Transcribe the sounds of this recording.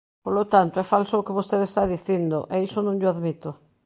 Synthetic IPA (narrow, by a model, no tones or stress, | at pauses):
polot̪ant̪oɛfalsookeβost̪eðest̪aðiθind̪oʔɛisonõŋʎoaðmit̪o